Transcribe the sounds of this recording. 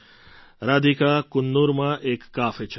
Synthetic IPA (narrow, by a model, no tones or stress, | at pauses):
ɾaːd̪ikakʊnːuɾmãʔeːkːaːfet͡ʃʰ